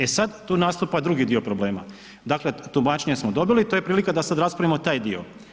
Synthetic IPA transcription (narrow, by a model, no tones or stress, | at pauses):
e̞sad̪t̪uːnast̪upad̪ɾuɡid̪io̞pɾo̞ble̞ːma̰ | d̪akle̞t̪umat͡ʃeɲesmod̪o̞bilit̪ojepɾiːlikad̪asad̪ɾaspɾaʋimot̪aːjd̪io